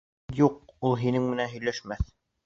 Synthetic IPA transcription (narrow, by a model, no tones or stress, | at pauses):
juq̚ulˠɦinɘŋmɘ̆nænɦɵ̆jlæʃmæθ